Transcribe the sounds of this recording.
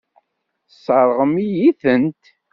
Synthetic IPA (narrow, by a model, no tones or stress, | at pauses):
sˤəɾˤʁəmijiθənt̪